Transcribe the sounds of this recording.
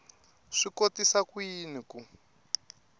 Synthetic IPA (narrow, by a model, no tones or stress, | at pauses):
ʂikotisakujiniku